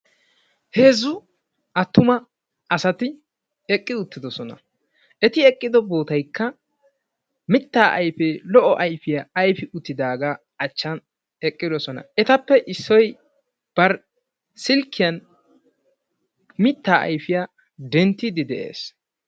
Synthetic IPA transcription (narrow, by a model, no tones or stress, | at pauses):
he̞ːzʊ | ɐt̪ːʊmɐ | ɐsɐt̪ɪ | ɛkʼːɪʊt̪ːɪd̪ɔsɔnɐ̰ | ʔɛt̪ɪɛkʼːɪd̪ɔbo̞ːt̪ɐjkːɐ | mɪt̪ːaːʔɐjfeːlɔʔɔʔɐjfɪjaɐjfɪʔʊt̪ːɪd̪aːɡa | ɐt͡ʃːɐn | ɛkʼːɪd̪ɔsɔnɐ̰ɛt̪ɐpːɛʔɪsːɔj | b̥ɐɾ | sɪlkːɪjɐn | mɪt̪ːaːʔɐ̰jfɪjaː | d̪ɛnt̪ːɪd̪ɪd̪ɛʔḛːs